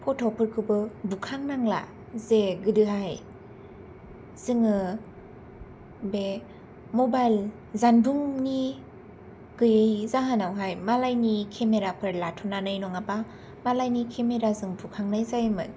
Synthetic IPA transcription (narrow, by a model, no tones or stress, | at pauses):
pʰɔtʰɔpʰɯɾkʰɯbɯbukʰaŋnaŋla̰ | zeɡɯdɯɦaj | z̥ɯŋɯ | be | mɔbajl | zanbuŋni | ɡ̥ɯjɯjzaɦɯnawɦajmalajnikʰemeɾapʰɯɾlatʰɔnanɯjnɔŋapa | malajnikʰemeɾazɯŋbukʰaŋnajzajmɯn